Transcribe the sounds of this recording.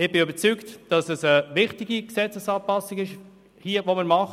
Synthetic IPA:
ɪbɪøbəɾt͡syktd̥ɑsəsəʋɪχtɪɡiksɛt͡səsɑːpɑsɪɡɪʃ | hiəvoməɾmɑχ

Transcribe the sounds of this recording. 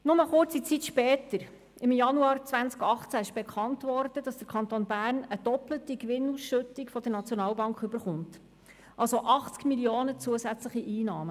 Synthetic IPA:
nʊməχʊrt͡sit͡sit̪ʃpɛːtəɾ | ɪmjɑnuɑːɾt͡sʋænt͡skɑχt͡sæɪʃb̥ekʰɑntʋɔrd̥ədɑsd̥̪əɾkʰɑnt̪onbæːrnəd̥ɔplətikʋɪnusʃɵtikfɔd̥̪ənɑt͡sjɔnɑːlbɑŋkχɵbəɾχʊnt | ʔɑlsoʔɑχt͡skmilioːnət͡suəsæt͡sləχiʔiːnɑːmə

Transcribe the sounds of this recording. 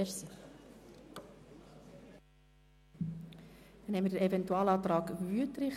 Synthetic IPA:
əɾsi | nhɛmədəɾɛvɛntuɑːlɑːt̪ɾɑːkvyətɾɪχ

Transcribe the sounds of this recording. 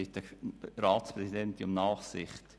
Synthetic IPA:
ɪt̪əɾɑːspɾɛsid̪ɛnt̪iʊmnɑːχsɪχt

